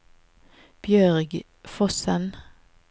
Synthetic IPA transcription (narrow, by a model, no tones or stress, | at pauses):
b̥jœʁɡ | fɔsən